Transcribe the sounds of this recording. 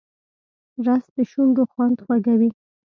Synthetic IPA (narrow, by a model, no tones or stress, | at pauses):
ɾasd̪əʃuŋɡoxwand̪xwaɡawi